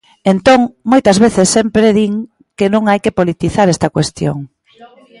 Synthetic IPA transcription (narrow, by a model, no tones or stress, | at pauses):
ent̪oŋmojt̪ɐzβ̞eθɪsːempɾeðiŋ | kenõŋajkepolit̪iθaɾɛst̪ɐkwest̪jo̰ŋ